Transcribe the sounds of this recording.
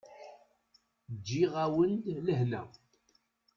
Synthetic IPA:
d͡ʒːiʁawəndləɦnæ̰

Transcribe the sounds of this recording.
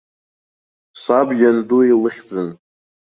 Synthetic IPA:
sabjʲanduilɨχʲd͡zɨn

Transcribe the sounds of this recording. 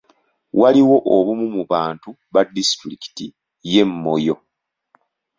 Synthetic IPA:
waliwo̞ʔoβumumuβaːntu | βadːistɾiki̥ti | je̞mːo̞jo̞

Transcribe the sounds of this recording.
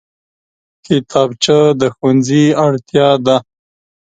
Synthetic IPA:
kʰɪt̪ʰɑbt͡ʃəd̪əxwanziaɽt̪jɑd̪a

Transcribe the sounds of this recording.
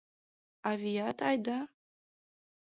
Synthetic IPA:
avijat̪ʰajd̪a

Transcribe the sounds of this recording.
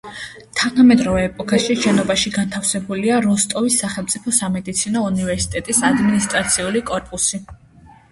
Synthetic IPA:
t̪ʰanamɛd̪ɾɔvɛːpʼɔkʰaʃiʃɛnɔbaʃiɡant̪ʰafsɛbuliaɾɔst̪ʼɔvisːaχɛlˠmt̪sʼipʰɔsamɛd̪it̪sʰinɔunivɛɾsi̥t̪ʼɛt̪ʼisad̪minist̪ʼɾat̪sʰiulikʼɔɾpʼusi

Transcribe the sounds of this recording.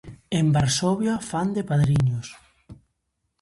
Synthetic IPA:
embaɾsɔβjafand̪epaðɾiɲʊs

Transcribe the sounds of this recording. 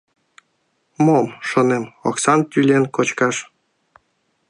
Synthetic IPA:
momʃonemo̰ksɑnt̪ʲylʲenkot͡ɕkɑʃ

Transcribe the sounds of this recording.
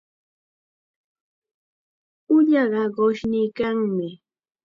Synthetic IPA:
ʊʎɑɢɑɢoʃnɪːkaŋmɪ

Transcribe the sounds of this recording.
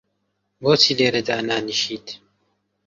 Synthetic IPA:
boːt͡siːleːɾɐd̪anaːniʃiːt̪ʰ

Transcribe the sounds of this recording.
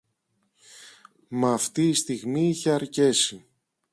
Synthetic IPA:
mɐːft̪iːst̪iɣmiiçe̞ɐɾce̞si

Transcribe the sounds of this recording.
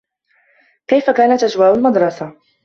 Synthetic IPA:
kajfakaːnat̪ʔad͡ʒwaːʔʊlmɑd̪ɾˤɑsa

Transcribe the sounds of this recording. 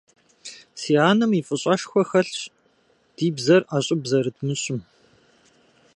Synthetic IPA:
siːaːnɐmiːfʼɨɕʼɐʃxʷɔxɐɬɕ | d̥iːbzɐraːɕʼɪbzɐɾɨdmɨɕʼɪm

